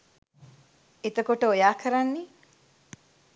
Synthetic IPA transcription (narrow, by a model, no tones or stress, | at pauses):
et̪əkoʈəojaːkʰəɾanːe